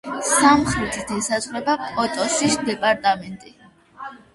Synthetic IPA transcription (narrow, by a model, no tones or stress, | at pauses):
samχɾit̪ʰit̪ʰisazʁɾɛbakʼɔt̪ʼɔsisd̪ɛpʼaɾt̪ʼamɛnt̪ʼi